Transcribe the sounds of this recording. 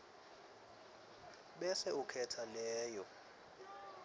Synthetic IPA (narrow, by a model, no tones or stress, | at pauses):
ɓɛsɛukʰɛtʰalɛːjɔ